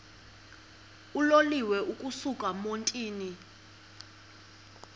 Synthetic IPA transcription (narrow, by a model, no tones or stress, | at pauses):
uloliwɛʔukʼusukʼamontʼiːni